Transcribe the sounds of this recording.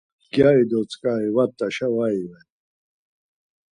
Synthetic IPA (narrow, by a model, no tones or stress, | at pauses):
ɡjaid̪ɔt͡sʼkʼaivat̪ʼːaʃavaivɛn